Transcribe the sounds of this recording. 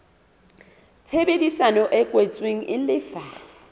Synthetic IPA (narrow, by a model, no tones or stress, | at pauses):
t͡sʰebedisanɔʔɛkʼwet͡sʼweŋ̩ʔɪlɪːfa